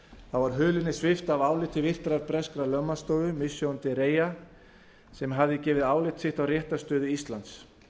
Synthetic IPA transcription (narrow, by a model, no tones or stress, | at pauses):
θavaɾɦʏːlɪnːɪsvɪft̪avaːwlɪht̪ʰːɪvɪr̥t̪ɾaɾpɾɛskɾalœmːast̪oːðʏmɪsjowant̪ɪɾeːja | sɛmɦavðɪcɛːvɪðaːwlɪht̪sɪht̪awrjɛht̪ast̪œːðʏist̪lant̪s